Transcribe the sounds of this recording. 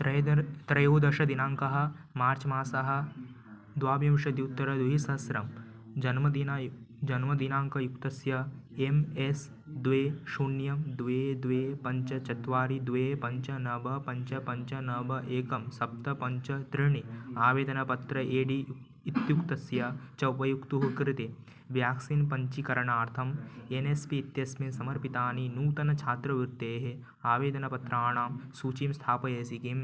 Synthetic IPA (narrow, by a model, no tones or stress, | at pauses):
t̪ɐd̪ɐt̪ɾɐjɐwud̪ɐʃɐd̪inaːŋkɐɦɐ̆ | maːɾt͡ʃɐmaːsɐɦɐ̆ | d̪ʋaːbjɐmʃɐd̪iut̪ːɐɾɐd̪uɦisɐsɾɐm | d͡ʒɐnmɐd̪in | d͡ʒɐnmɐd̪inaːŋkɐjukt̪ɐsjɐemes | d̪ʋeːʃunjɐmd̪ʋeːd̪ʋeːpɐɲt͡ʃɐt͡ʃɐt̪ʋaːɾid̪ʋeːpɐɲt͡ʃɐnɐbɐpɐɲt͡ʃɐpɐɲt͡ʃɐnɐbɐʔeːkɐmsɐp̚t̪ɐpɐɲt͡ʃɐt̪ɾɪɳiaːʋeːd̪ɐnɐpɐt̪ɾɐʔeːɖiː | t̪jukt̪ɐsjat͡ʃɐwpɐjukt̪uɦukɾɪt̪eː | ʋjaːksinpɐɲt͡ʃikɐɾɐɳaːɾt̪ʰɐmenespiːt̪jɐsmesɐmɐɾpit̪aːninuːt̪ɐnɐt͡ʃʰaːt̪ɾɐʋiɾt̪eːɦe | aːʋeːd̪ɐnɐpɐt̪ɾɐaːɳaːmsuːt͡ʃimst̪ʰaːpɐjeːsikim